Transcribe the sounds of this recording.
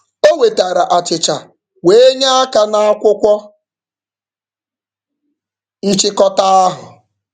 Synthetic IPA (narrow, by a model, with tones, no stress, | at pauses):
o˦we˨ta˨ɾa˨ʔa˨t͡ʃɪ˨t͡ʃa˨ | we˦e˦ɲa˦a˦ka˦na˦a˦kʷʊ˦kʷɔ˦ | n̩˦t͡ʃɪ˦kɔ˦ta˦a˦ɦʊ̰˨